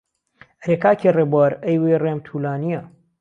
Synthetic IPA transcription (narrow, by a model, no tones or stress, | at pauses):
ɐɾekaːkʰirebaɾɐjwejreːmt̪ʰuːlaːnijɐ